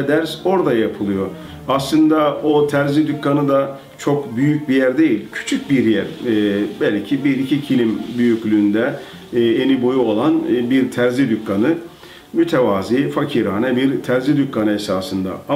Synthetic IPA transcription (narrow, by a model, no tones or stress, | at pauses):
d̪æɾso̞ɾd̪ajapʰɯlˠɯjo̞ | aslˠɯnd̪ao̞t̪ʰæɾzid̪ycːanɯd̪a | t͡ʃʰo̞kbyjyc̚bijæɾd̪e̞jilʲcʰy̥t͡ʃʰyc̚biɾjæɾbælʲcʰibiɾicʰicʰilʲimbyjyclʲyːnd̪ɛː | enibo̞juo̞lˠanbiɾt̪ʰæɾzid̪ykːanɯ | myt̪ʰevaːziːfacʰiɾaːnɛbiɾt̪ʰæɾzid̪ycːanɯesaːsɯnd̪a̰